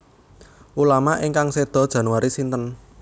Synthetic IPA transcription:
ʔulamaʔiŋkaŋsed̪̥ɔ̤d̥ʒ̥ä̤nuwaɾisint̪ən

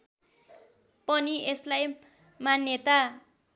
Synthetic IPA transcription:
pʌnieslaj | manjʌt̪a

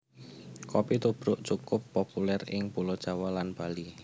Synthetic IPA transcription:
kɔpit̪ub̥ɾʊʔt͡ʃukʊpːopulɛrɪ̰ŋpulɔd̥ʒ̥a̤walanb̥ali

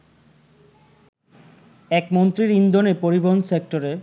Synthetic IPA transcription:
ɛkmont̪ɾiɾind̪onepoɾiboɦonsek̚ʈoɾe

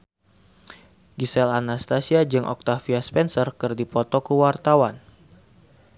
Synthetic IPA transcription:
ɡisɛlanast̪asiad͡ʒɨŋʔɔ̰k̚t̪afiaspɛnsərkɨrdipɔt̪ɔkəwart̪awan

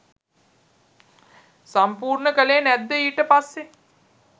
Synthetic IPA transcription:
sampuːrɳəkəleːnæd̪ːəiːʈəpasːe

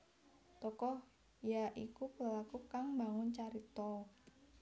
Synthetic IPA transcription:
t̪ɔkɔh | jaʔikukəlalakukaŋbaŋʊnt͡ʃaɾit̪ɔ

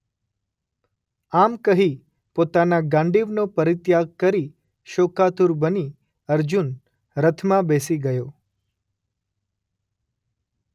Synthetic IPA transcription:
amkəɦi | pot̪anaɡãɳɖiʋnopəɾɪt̪jaɡ̚kəɾi | ʃokat̪uɾbəni | əɾd͡ʒun | ɾət̪ʰmãbesiɡəjo

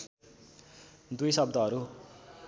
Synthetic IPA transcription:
d̪ujsʌbd̪ʌɦʌɾu

